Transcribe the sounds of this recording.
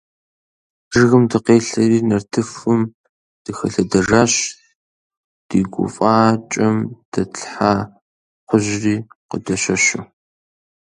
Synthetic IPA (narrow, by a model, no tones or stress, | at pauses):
ʐɣɨmdɨqeːɬɐriːnɐrtʰɨfɨm | d̥ɨxɐɬɐdɐʐaːɕ | d̥iːɡʷʊ̰fʼaːt͡ʃʼɐmd̥ɐt͡sɬħa | qʷʊʑriːqə̰dɐɕɐɕʊ